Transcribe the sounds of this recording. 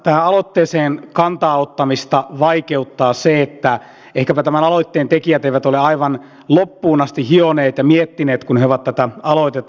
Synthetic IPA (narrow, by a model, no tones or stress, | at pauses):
t̪æhæɑlot̪ːeːseːnkɑnt̪ɑːot̪ːɑmist̪ɑʋɑikeut̪ːɑːseet̪ːæ | ehkæpæt̪æmænɑloit̪ːeːnt̪ekijæt̪eiʋæt̪oleɑiʋɑn | lopːuːnɑst̪ihioneːt̪jɑmiet̪ːineːt̪kunheoʋɑt̪t̪æt̪æɑloit̪et̪ˑː